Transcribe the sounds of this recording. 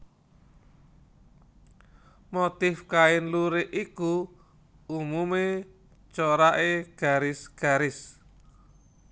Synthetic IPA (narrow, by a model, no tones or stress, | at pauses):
mot̪ɪfkaɪnluɾeʔʔiku | umume | t͡ʃoɾaʔeɡ̥a̤ɾɪsɡ̥a̤ɾɪs